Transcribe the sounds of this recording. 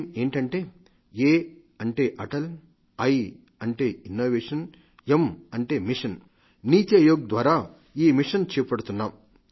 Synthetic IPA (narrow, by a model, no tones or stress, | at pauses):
e̞ːɳʈɐɳʈe̞ː | eː | ɐɳʈeːʔɐʈɐl | ɐj | ɐɳʈeːinːoːʋeːʂɐn | emɐɳʈe̞ːmiʂɐn | niːt̪jɐjoːɡ̚d̪ʋaːɾaː | iːmiʂɐnt͡ʃɛːpɐɽut̪unːaːm